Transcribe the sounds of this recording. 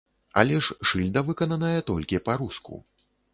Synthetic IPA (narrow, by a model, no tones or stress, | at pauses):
a̰lʲɛʂʂɨlʲd̪ɐvɨkɐnɐnɐjɐt̪ɔlʲkʲipaɾuskṵ